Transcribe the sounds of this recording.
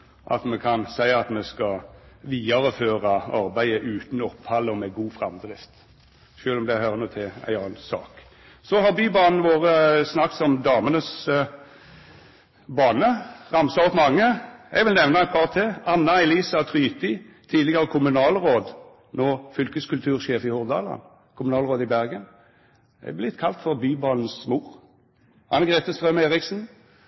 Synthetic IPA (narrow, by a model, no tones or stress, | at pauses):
ʔɑ̰t̪mɛkʰɑnsæɪɑt̪mɛskɑʋiːɑʁəføːʁɑɑɾbæɪəʔʉːt̪n̩ɔpːhɑlːəɔmɛɡuːfʁɑmd̪ʁɪft̪ | ʃøːlɔmd̪ɛhøʁənuːt̪ʰɪæ̰ɪɑːnsɑ̰ːk | sɔɦɑʁbyːbɑːnn̩ʋoːʁəsnɑk̪sɔmd̪ɑːmənəs | bɑːnəʁɑmsɑɔpmɑŋːəɛɡʋɪlnɛʋnɑæɪt̪pʰɑːʁt̪ʰeɑnːɑɛliːsɑt̪ʰʁyːt̪ɪt̪ʰiːd̪lɪɡəʁəkʰʊmʉnɑːlʁoːd̪ | noːfʏlkəskʉlt̪ʰʉːʁʃeːfɪhʊʁd̪ɑ̰ːlɑ̰n | kʰʊmʉnɑːlʁoːd̪ɪbæʁɡən | ɛ̰blɪt̪kʰɑlt̪fɔʁbyːbɑːln̩smuːʁ | hɑ̰nɛɡʁɛt̪əst̪ʁœmeːʁɪksn̩